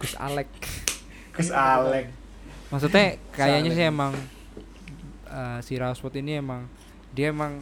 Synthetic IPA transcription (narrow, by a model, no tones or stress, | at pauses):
ɡ̥usa̰lɛk̚ | ɡ̥usalɛk̚ | maks̬ut̪ɲɛkajaɲas̬ɪemaŋ | əsiɾaoswɔt̪iniemaŋ | diaemaŋ